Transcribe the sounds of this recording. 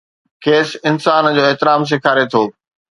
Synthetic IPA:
kʰeːsɪnsaːnd͡ʑoːeɦt̪ɪɾaːms̬ɪkʰaːɾet̪ʰoː

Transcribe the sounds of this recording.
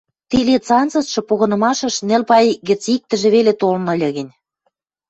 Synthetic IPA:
t̪ilet͡sɑnt͡sɤ̆sʃɤ̆poɣɤ̆nɤ̆mɑʃɤ̆ʃnĕlpɑjɣɘ̆t͡sik̚t̪ə̆ʒĕβelet̪olnɤ̆lʲɤ̆ɣə̆nʲ

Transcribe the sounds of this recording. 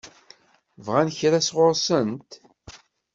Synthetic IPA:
vʁænçɾæsʁʊɾsənt̪

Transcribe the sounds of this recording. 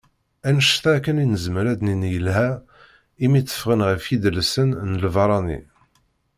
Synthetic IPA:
ænəʃθækːəninəzməɾæd̪ninjəlɦæ | imit͡sːə̥fʁənʁəfid̪əlsənnəlvɑɾˤɑnḭ

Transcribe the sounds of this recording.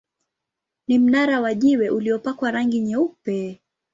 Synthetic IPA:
nim̩naɾawaʄiwɛʔuliɔpakwaɾaŋɡiɲɛupɛ

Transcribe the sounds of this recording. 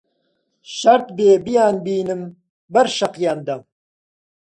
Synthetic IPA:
ʃɐɾt̪beːbijaːnbiːnɨm | bɐɾʃɐqjaːnd̪ɐm

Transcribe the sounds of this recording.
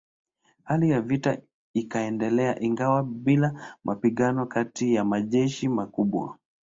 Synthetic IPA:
halijavita | ikaɛndɛlɛa̰ʔiŋɡawaɓilamʔapiɠanɔkatijamaʄɛʃimakuɓwa̰

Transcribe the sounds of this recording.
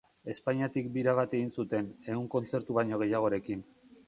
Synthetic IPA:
e̞spaɲiat̪ikbiɾaβ̞at̪e̞ɣinsut̪e̞ne̞uŋko̞nt͡se̞ɾt̪uβaɲo̞ɣ̞e̞jaɣ̞o̞ɾe̞kin

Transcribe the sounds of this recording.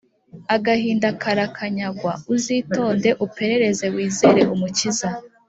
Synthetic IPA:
aɡahiːndakʰaɾakʰaɲaɡwauziːto̞ːnde̞ʔupe̞ɾe̞ɾe̞ze̞wiːze̞ːɾe̞ʔumuciza

